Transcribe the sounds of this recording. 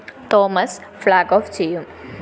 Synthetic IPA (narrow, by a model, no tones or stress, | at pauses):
t̪ɔːməsflaːɡɔːft͡ʃiːm